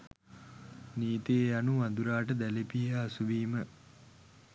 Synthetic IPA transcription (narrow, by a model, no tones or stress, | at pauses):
niːt̪eːjanumad̪uɾaːʈəd̪ælepiəasuʋiːmə